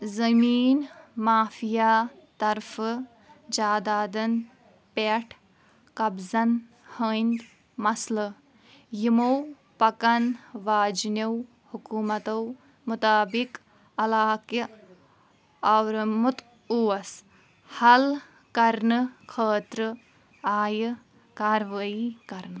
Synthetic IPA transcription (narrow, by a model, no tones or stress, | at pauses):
zɐmiːnmaːfijaːt̪ɐɾfɨ | d͡ʒaːd̪aːd̪ɐn | peʈʰ | kɐbzɐn | hɐːnd̪ | mɐslɐ | jimow | pɐkɐnʋaːd͡ʒnɐw | hukuːmɐt̪ɐw | mut̪aːbik | ɐlaːkjɐ | ɐwɾmut̪ | uʋɐs | hɐl | kɐɾnɨkʰəːt̪ɾɨ | aːjɨ | kaːɾʋɐikɐɾnɨ